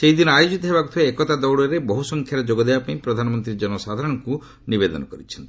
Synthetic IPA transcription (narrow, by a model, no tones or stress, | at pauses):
seɦid̪inɔajod͡ʒit̪ɔɦebakut̪ʰiaːkɔt̪ad̪ɔwɽɔɾebɔɦusɔŋkʰjaɾɔd͡ʒoɡɔd̪ebapaĩpɾɔd̪ʱanɔmɔnt̪ɾid͡ʒɔnɔsad̪ʱaɾɔɽ̃ɔŋku | nibed̪ɔnɔkɔɾit͡ʃʰɔnt̪ii